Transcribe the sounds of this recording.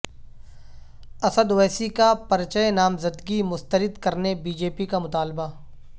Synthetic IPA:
ɐsəd̪wɛːsikapɐɾt͡ʃəenaːmzɐd̪ɡimʊst̪əɾɪd̪kɐɾnebiːd͡ʒeːpikamʊt̪aːlba

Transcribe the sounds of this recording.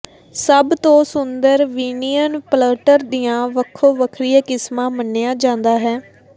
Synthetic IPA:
səbt̪õːsʊnd̪əɾʋiːnijənpləːʈəɾd̪ijãːʋəkʰːoːʋəkʰɾijakɪsmãːmənːeːjaːd͡ʒãːnd̪aːɦɛː

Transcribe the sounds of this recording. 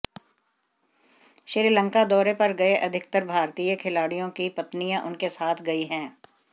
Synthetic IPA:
ʃɪɾilə̃ŋkad̪ɔːɾepɐɾɡɐeʔɐd̪ʱɪkt̪əɾbʱaːɾt̪iːjəkʰɪlaːɽijõkipɐt̪nijãʔʊnkesaːt̪ʰɡɐiɦɛ̃ː

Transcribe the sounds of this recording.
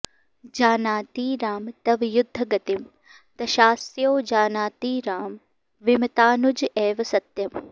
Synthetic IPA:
d͡ʒaːnaːt̪iːɾaːmt̪ɐʋjʊd̪ʱːɐɡɐt̪im | t̪ɐʃaːsjoːd͡ʒaːnaːt̪iːɾaːm | ʋɪmɐt̪aːnud͡ʒeːʋɐsɐt̪jɐm

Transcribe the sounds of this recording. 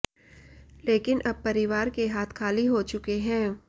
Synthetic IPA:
leːkɪnʔɐb̚pɐɾɪʋaːɾkeɦaːt̪ʰkʰaːliɦot͡ʃʊkeɦɛ̃ː

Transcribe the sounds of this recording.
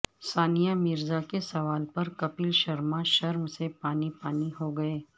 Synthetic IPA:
saːnijamɪɾzakesɐʋaːlpɐɾkɐpiːlʃɐɾmãʃɐɾmsepaːnipaːniɦoɡɐeː

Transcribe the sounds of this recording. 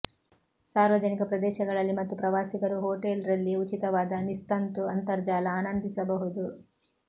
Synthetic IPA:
saːɾʋɐd͡ʒɐnikɐpɾɐd̪ɛːʃɐɡɐɭɐlːimɐt̪ːupɾɐʋaːsikɐɾuɦoːʈelɾɐlːiut͡ʃit̪ɐʋaːd̪ɐnist̪ɐnt̪uɐnt̪ɐɾd͡ʒaːlɐaːnɐnd̪ʱisɐbɐɦud̪u

